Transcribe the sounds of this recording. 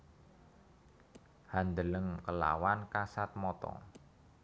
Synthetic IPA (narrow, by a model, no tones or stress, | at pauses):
hand̪ələŋkəla̰wankasat̪̚mɔt̪ɔ̰